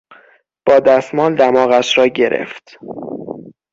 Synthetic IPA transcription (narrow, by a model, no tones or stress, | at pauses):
b̥ɒːd̪æst̪mɒːld̪æmɒːɣæʃɾɒːɟe̞ɾʔḛft̪